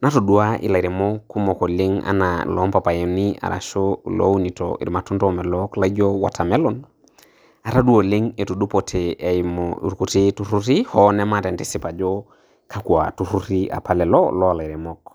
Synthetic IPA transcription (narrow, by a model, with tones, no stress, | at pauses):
na˦to˨du˨aʔḭ˨la˨i˨ɾe˨mɔkːu˦mɔ˨ko˨le˦ŋa̰˦na̰lɔ˦mpa˨pa˨jenia̰˨ɾʔa̰˨ʃolo̰˦wu˦ni˨to̰ḭ˨ɾma˨tu˦ntɔmɛ˨lɔkla˦d͡ʒowa̰˨tʰa˨mɛ˦lon | a˨ɾa˦du˦o˨le˦ŋe˨tu˨du˦potʰe˨emɔṵ˨ɾku˨titu˦ɾu˦ɾihɔnɛ˦matɛ˨nte˦si˨pa˨d͡ʒo | ka˦ku˨a̰tu˦ɾu˦ɾiʔa̰˨pʰa˨lɛ˨lɔ̰lɔ˦˨la˨i˨ɾe˨mok